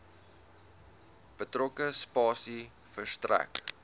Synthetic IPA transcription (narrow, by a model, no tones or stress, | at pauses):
b̥ətrɔkəspɑːsi | fərstræ̰k